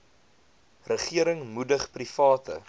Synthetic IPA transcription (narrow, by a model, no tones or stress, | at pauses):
rəχiəɾəŋmudəχprifɑːtə̰